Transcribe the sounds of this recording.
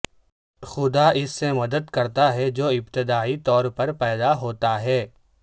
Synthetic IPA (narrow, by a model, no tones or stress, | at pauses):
xʊd̪aʔɪsːemɐd̪əd̪kɐɾt̪aɦɛd͡ʒoːɪbt̪ɪd̪aːit̪ɔːɾpɐɾpɛːd̪aɦoːt̪aɦɛː